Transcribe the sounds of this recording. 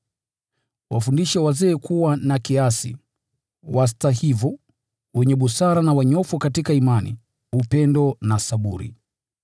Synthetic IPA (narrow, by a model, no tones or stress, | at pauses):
wafundiʃawazɛːkuwanakiasḭ | was̬tahivɔ | wɛɲɛɓusaɾanawaɲɔfɔkatikaimanḭ | upɛndɔnasaɓuɾḭ